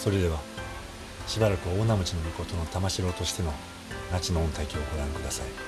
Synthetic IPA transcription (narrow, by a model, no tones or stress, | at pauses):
so̞ɾe̞d̪e̞β̞a | ɕibaɾakɯ̟βoːnːamɯ̟t͡ɕino̞mʲiko̞t̪o̞no̞t̪amaɕiɾo̞ːt̪o̞ɕi̥t̪e̞no | nat͡ɕinõ̞ːnt̪aikʲio̞ɡo̞ɾãŋkɯ̟d̪asai